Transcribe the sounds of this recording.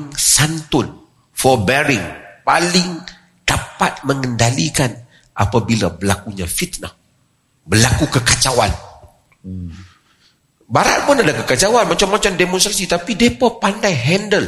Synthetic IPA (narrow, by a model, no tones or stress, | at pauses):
ŋsant̪ʊn | fɔbɛɾɪŋpalɪŋ | d̥apat̪̚məŋəndalikan | ʔa̰pabilabəlakuɲafit̪̚na | bəlakukəkat͡ʃawan | baɾa̰t̪̚mʊnadakəkat͡ʃawanmat͡ʃamːat͡ʃamdemɔ̃nst̪ɾasit̪apidepɔpandajɦɛndəl